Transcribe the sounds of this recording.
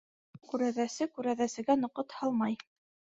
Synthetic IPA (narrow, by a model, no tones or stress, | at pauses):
kʉɾæðæsɘkʉɾæðæsɘ̆ɡænŏqɤt̪hɑlˠmɑj